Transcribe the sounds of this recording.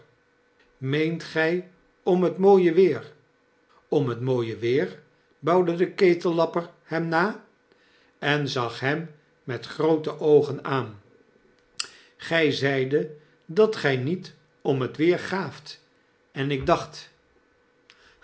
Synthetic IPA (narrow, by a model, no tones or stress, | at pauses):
mejntχɛj | ɔmɦətmoːjəʋɪːɹ | ɔmɦətmoːjəʋɪːɹ | bɑwdədəkejtəlːɑpərhɛmnaː | ɛnzɑχɦɛmː | ɛtχrowtəʔowχənaːn | χɛjzɛjdə | dɑtχɛjnit | ɔmɦətʋɪːɹχaːft | ɛnɪɡ̚dɑχt